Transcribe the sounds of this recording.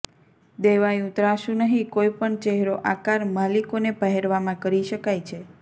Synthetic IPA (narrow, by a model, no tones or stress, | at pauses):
d̪eʋajut̪ɾaʃũnəɦikoipəɳt͡ʃɛɦɾoʔakaɾmalikonepəɦeɾʋamãkəɾiʃəkajt͡ʃʰe